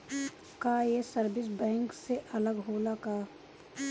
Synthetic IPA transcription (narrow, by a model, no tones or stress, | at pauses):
kaːjesəɾbɪs̬bɛ̃ːŋkseʔɐləɡɦoːlakaː